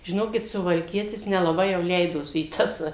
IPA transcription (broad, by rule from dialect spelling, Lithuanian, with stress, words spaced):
ʒʲɪˈnoːkʲɪt sʊʋɐlʲˈkʲiɛtʲɪs nʲɛlˠɐˈbɐɪ jɛʊ ˈlʲɛɪdoːsʲɪ iː ˈtɐs